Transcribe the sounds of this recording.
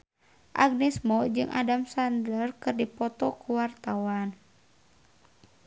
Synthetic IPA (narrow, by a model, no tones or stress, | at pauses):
ʔa̰ɡ̚nɛsmɔd͡ʒɨŋʔa̰damsandlərkɨrdipɔt̪ɔkuwart̪awan